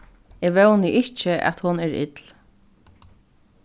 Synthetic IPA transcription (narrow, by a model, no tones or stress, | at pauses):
eːʋɛwnɪʔɪht͡ʃəʔæ̰t̪hʊnɛːɹɪ̰t̪l